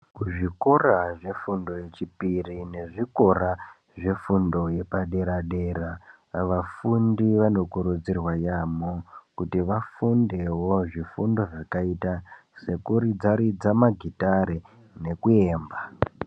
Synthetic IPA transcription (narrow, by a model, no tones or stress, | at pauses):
kuʐikoraʐe̞fundo̞je̞t͡ʃipirine̞ʐiko̞ɾa | ʐe̞fundo̞je̞paɗe̞ɾaɗe̞ɾa | ʋafundiʋano̞kuɾud͡zirwajamokutiʋafunde̞wo̞ʐifundo̞ʐakaitase̞kuɾid͡zaɾid͡zamaɡʱitaɾe | ne̞kue̞ːmba